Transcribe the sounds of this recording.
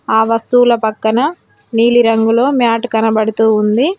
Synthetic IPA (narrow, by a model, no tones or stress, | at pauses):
aːʋɐst̪ulɐpɐkːɐnɐ | niːliɾɐŋɡulo̞ːmjaːʈkɐnɐbɐɽut̪uːund̪i